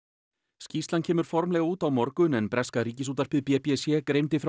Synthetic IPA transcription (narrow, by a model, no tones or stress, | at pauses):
sciːst̪lancʰɛːmʏɾ̥fɔɾmlɛɣauːt̪awmɔɾkʏnɛnpɾɛskaɾiːcɪsuːt̪ar̥pɪðpɛpɛsjɛkɾejnt̪ɪfɾa